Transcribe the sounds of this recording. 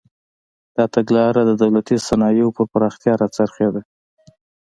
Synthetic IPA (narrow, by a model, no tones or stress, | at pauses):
d̪̥ɑt̪aɡlɑɾad̪əd̪awlat̪isanɑjopəɾpaɾɑxt̪jɑɾat͡saɾxed̪a